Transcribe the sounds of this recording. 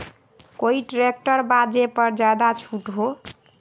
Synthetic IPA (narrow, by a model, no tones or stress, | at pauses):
koiʈɾek̚ʈəɾbad͡ʒepəɾd͡ʒad̪at͡ʃʰuʈɦo